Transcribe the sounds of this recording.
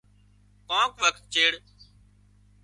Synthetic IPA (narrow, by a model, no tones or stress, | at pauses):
kãːkʋəkt̪̚t͡ʃeːɽ